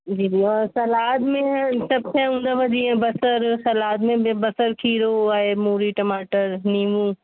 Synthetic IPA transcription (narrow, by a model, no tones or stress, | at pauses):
d͡ʑiːd͡ʒiːɔːɾsɐlaːd̪mẽsɐb̚kɐ̃ũːnd̪aʋɐd͡ʑiẽbɐsəɾsɐlaːd̪mẽbɐsəɾkʰiːɾoaemuːɾiʈɐmaːʈəɾniːmũː